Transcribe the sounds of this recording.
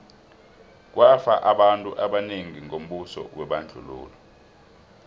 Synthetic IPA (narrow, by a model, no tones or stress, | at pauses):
k̬wafaʔaɓantʼuʔaɓaneŋiŋom̩ɓusɔ̰wɛɓand͡ɮʱṵlṵːlɔ